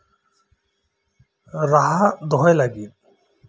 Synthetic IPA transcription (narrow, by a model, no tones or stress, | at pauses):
ɾaɦad̪ɔɦɔjlaɡit̚